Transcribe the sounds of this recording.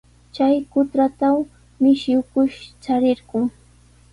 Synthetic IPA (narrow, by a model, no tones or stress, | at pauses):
t͡ʃajkʊt̪ɾat̪aw | mɪʃɪwkʊʃt͡ʃaɾɪɾɢʊŋ